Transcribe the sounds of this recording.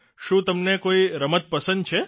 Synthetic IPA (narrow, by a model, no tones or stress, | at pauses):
ʃũt̪əmnekoiɾəmət̪̚pəsə̃nd̪̚t͡ʃʰe